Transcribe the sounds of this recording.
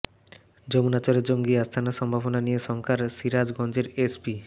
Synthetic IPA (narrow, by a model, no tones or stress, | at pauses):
d͡ʑomunat͡ɕaɾed͡ʑoŋɡiast̪ʰanaʃɔmbʱabonanijeʃɔŋkʰaɾʃiɾad͡ʑɡɔnd͡ʑeɾespi